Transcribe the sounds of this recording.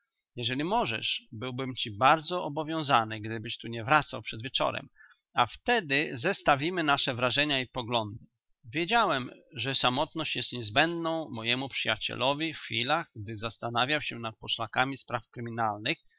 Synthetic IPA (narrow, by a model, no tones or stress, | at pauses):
jɛʐɛlʲimɔʐɛ̰ʂbɘwbɘmt͡ɕibaɾd̪zɔɔbɔvʲjɔ̃w̃zanɘɡd̪ɘbɘɕt̪uɲɛvɾat̪sawpʂɛd̪vʲjɛt͡ʂɔ̰ɾɛ̰m | aft̪ɛd̪ɘzɛst̪avʲimɘnaʂɛvɾaʐɛɲaipɔɡlɔnd̪ɘ | vʲjed͡ʑawɛmʐɛsamɔt̪nɔɕt͡ɕjɛst̪ɲɛzbɛnd̪nɔ̃w̃mɔjɛmupʂɨjat͡ɕɛ̰lʔɔvʲiffʲilaɣɡd̪ɘzast̪anavʲjawɕɛnat̪̚pɔʂlakamʲispɾafkɾɘmʲinalnɘx